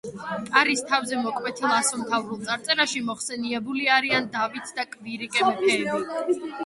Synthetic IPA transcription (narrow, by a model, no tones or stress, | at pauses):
kʼaɾist̪ʰavzɛmɔkʼmɛt̪ʰilˠasɔmt̪ʰavɾulˠt̪sʼaɾt̪ʼɛɾaʃimɔχsɛniɛbuliaɾiand̪avit̪ʰd̪akʼviɾikʼɛmɛpʰɛːbi